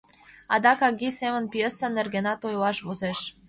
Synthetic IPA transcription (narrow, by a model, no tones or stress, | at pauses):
ɑd̪ɑkɑɡisemə̆npijesənerɡenɑt̪ojlɑʃβozeʃ